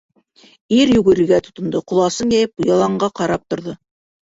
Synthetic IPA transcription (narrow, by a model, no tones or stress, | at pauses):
iɾjʉɡɘ̆ɾɘ̆ɡæt̪ŏ̥t̪ŏnd̪ɤqŏlˠɑsɤnjæjɘp̚bujɑlˠɑɴɢɑqɑɾɑp̚t̪ŏɾðɤ